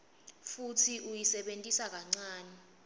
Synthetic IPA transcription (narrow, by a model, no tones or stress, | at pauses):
futʰiʔujisɛɓentʼisak̬aŋ͡ǀaːnɛ